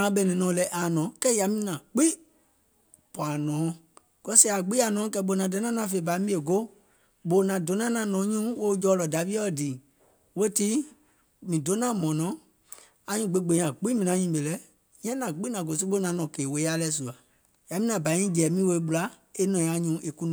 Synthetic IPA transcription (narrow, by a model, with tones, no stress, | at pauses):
ã˨˦ɓɛ˦˧˨nĩ˧nɔ̃ː˨˦lɛ˧˦ʔa˨nɔ̃ː˨˦kɛ˦ja˨mĩ˧˦nã˨k͡pi˦ | pa˨nɔ̃ː˨˦ | ɡ̥ɔ˦sɛ˦a˨ɡ͡bi˦a˨nɔ̃ː˨˦kɛ˧˦ɓo˨˧˨nã˨do˨˦nã˦nã˧˨fe˧˨ba˨˦mĩ˦e˨ɡo˦ | ɓo˨˦nã˨do˨˦nã˦nã˧˨nɔ̃ː˨˦ɲũ˦wo˦d͡ʒɔː˨˦lɔ˨da˨˦vi˦ɔ˦˨diː˨ | wo˦ti˦ | mĩ˨do˨˦nã˦mɔ̃˨nɔ̃˨˦ | a˨˦ɲũ˧˨ɡ͡be˨˦ɡ͡bẽ˨˦ã˨k͡pi˦mĩ˧˨nã˨˦ɲĩː˧˨˦ɓe˨lɛ˦ | jɛ̃˦nã˨k͡pi˦nã˨ɡo˨s̬u˦ɓo˦nã˨˦nɔ̃˨ke˨we˨˦a˦lɛ˧˦s̬u˨a˨ | ja˨mĩ˦nã˨bã˨˦ĩ˦d͡ʒɛ˨˦mĩ˦we˧˦ɓu˧la˨˦ | e˦nɔ̃˨˦a˨˦ɲũ˨˦ʔe˧ku˦ñ˨